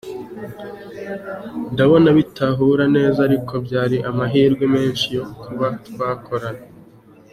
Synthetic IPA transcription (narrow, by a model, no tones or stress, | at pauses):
ndaβo̞naβitaɦuɾane̞ːzaɾikʰo̞bjaːɾiʔamaɦiːɾɡweme̞ːnʃijo̞kʰuβatwaːkʰo̞ɾana